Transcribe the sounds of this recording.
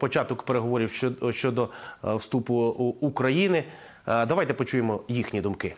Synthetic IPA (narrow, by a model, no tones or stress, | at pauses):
pɔt͡ʃɑt̪ɔkpeɾeɦɔʋɔɾʲiwʃt͡ʃɔd̪ɔwst̪upʊːkɾɐjinɪ | d̪ɐʋajt̪ɛpɔt͡ʃujemɔjixnʲid̪ʊmkɪ